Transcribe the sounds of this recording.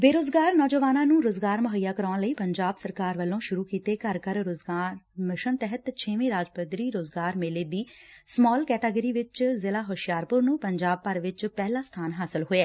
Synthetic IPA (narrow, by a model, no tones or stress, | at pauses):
beːɾoːzɡaːɾnɔːd͡ʒəʋaːnãːnũːɾoːzɡaːɾmʊɦəjːaːkəɾaːnləiːpəɲd͡ʒaːbsəɾkaːɾʋəlːõːʃʊɾuːkiːt̪eːkəɾkəɾɾoːzɡamɪʃənt̪ɛɦət̪t͡ʃʰeːmẽːɾaːd͡ʒpət̪ɾiːɾoːzɡaːɾmeːleːd̪iːsmɔːlkɛːʈeːɡəɾiːʋɪt͡ʃzɪlaːɦoːʃɪjaːɾpʊɾnũːpəɲd͡ʒaːb̚pəɾʋɪt͡ʃpɛːlaːst̪ʰaːnɦaːsɪlɦoːeɛː